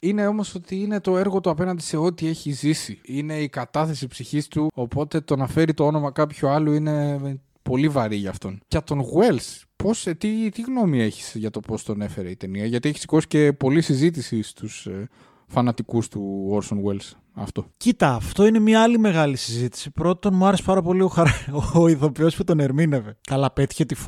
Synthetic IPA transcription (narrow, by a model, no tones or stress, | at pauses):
ine̞o̞mo̞so̞t̪iine̞t̪o̞e̞ɾɣo̞t̪uɐpe̞nɐnd̪ise̞o̞t̪ie̞çizisiine̞ikɐt̪ɐθe̞sipsiçist̪uo̞po̞t̪e̞t̪onɐfe̞ɾit̪o̞o̞no̞mɐkɐpçoɐloine̞ | po̞livɐɾiʝɐːft̪o̞nʝɐt̪o̞nɣwe̞ls | po̞st̪it̪iɣno̞mie̞çi̥sʝɐt̪o̞po̞st̪o̞ne̞fe̞ɾeit̪e̞niɐʝɐt̪ieçisi̥ko̞si̥ce̞po̞lisizit̪̬isist̪us | fɐnɐt̪ikust̪uoɾsonɣwels | ɐ̰ft̪o̞cit̪ɐːft̪o̞ine̞mɲɐɐlime̞ɣɐlisizit̪i̥sipɾo̞t̪o̞nmuɐɾesepɐɾɐpo̞lio̞xɐɾɐoiðo̞pio̞sput̪o̞ne̞ɾmine̞ve̞kɐlɐpet̪i̥çe̞t̪if